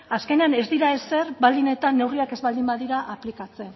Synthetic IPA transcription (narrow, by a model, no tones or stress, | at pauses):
aske̞ne̞ane̞zd̪iɾae̞se̞ɾbald̪ine̞t̪anːe̞wriake̞zβald̪imbaðiɾaʔaplikat͡se̞